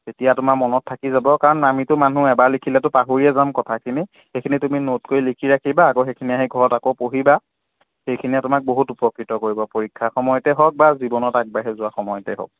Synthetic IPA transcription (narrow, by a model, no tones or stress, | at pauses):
tetijatʊmamɔnɔtʰːakizabɔkaɹɔnamitʊmanũɛbaɹlikʰilɛtʊpaɦuɹiɛzamkɔtʰakʰini | xejkʰinituminotkojlikʰiɹakʰibaːkoxejkʰiniaɦiɡʱɔɹɔtakopoɦiba | xejkʰinijatʊmak̚boɦutupɔkɹitɔkoɹibɔpoɹikʰːaxɔmɔjɔtɛɦɔk̚bazibɔnɔtak̚baɦɛzʊwaxɔmɔjɔtɛ̰ɦɔ̰k̚